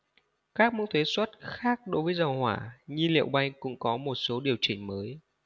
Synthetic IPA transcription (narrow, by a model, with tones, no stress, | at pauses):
kaː˦˥k̚mṵ˧˥t̪ʰwe˨˦swə˦˥t̚xaː˦˥k̚ɗo˨˦jvəː˨˦jzə˨˩whwaː˧˩ɲɨ˧lḭ˧˨əwɓa˧jŋ̟kʊ̰˧˥ŋ͡mkɔ˨˦mo˨˩t̚so˨˦ɗi˨˩əwt͡ɕï˧˩ŋ̟məː˨˦j